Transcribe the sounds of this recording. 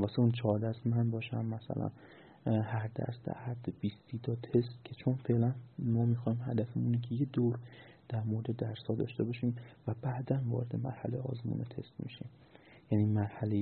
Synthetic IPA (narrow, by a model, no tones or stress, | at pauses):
vɒːseunt͡ʃʰɒːɾd̪æsmænbɒːʃæ̰nmæsæ̰læ̰n | hæɾd̪æ̰st̪æ̰æd̪b̥ist̪iːt̪ʰɒːt̪ʰest̪cʰe̞t͡ʃʰonfe̞lænmɒːmiːxɒːimhæd̪æfemuniːcʲʰejed̪oɾ | d̪̥æɾmoɾed̪ed̪æɾsɒːd̪ɒ̰ːʃt̪e̞bɒːʃiːmvæbæːd̪ænvɒ̰ːɾed̪emæ̰ɾhælejɒ̰ːzmṵːnet̪ʰe̞̰st̪mḭʃiːm | jæniːmæɾhælej